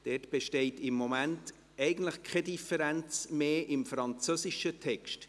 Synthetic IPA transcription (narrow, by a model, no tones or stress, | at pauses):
d̥ɛtb̥eʃtɛɪtɪmːomænt | ɛɪɡən̩tləχkʰɛdifəɾænt͡smeːʔɪmfɾɑnt͡søsiʃətʰɛkʃt